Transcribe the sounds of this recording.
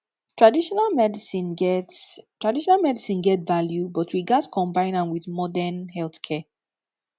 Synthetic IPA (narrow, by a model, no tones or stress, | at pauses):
tʰɹ̥adiʃɔnalmɛdisĩnɡɛttɹadiʃɔnalmɛdisĩnɡɛtvaljubɔtʰwiɡaskʰɔ̃mbãɪ̃nãnwiðmɔdɛnhɛlˠθkʰɛ